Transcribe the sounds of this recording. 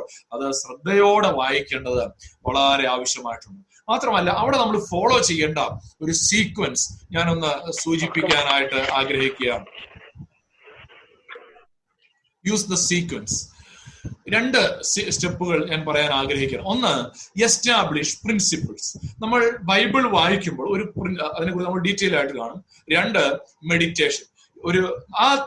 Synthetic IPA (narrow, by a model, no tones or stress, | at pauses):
ɐðɨsrɨd̪ːɐjo̞ːɽeʋaːjikʲːe̞ːɳɖɐðɨʋɐɭɐɾe̞aːʋɐɕjɐmaːjiʈːuɳɖɨ | maːt̪rɐmɐlːɐʔɐʋiɽe̞nɐmːɐɭfo̞ːɭo̞ːt͡ɕe̞jːeːɳɖɐo̞ɾusiːkwɐnsɲaːno̞nːɨsuːt͡ɕipːikʲːaːnaːjiʈːɨaːɡɾɐɦikʲːujaːn | juːsd̪ɐsiːkʋɐns | ɾe̞ɳɖɨsstepːuɣɐɭɲaːnpɐrɐjaːnaːɡɾɐɦikʲːaːɳɐo̞nːɨestaːbɭiʂprinsipɐɭsnɐmːɐɭbɐjbɨɭʋaːɦikʲːumbo̞ːɭo̞ɾuprinɐðinekːuːɽinɐmːɐɭɖitːejlaːjiʈːɨkaːɳɐm | ɾe̞ɳɖɨme̞ɽitːe̞ːʂɐn | oɾuaː